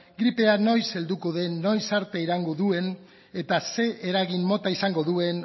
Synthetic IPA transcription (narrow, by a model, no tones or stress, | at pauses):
ɡɾipe̞ano̞jse̞ld̪ukoðe̞no̞jsaɾt̪eiɾaŋɡoðue̞n | e̞t̪ase̞ʔeɾaɣimmo̞t̪aisaŋɡo̞ðue̞n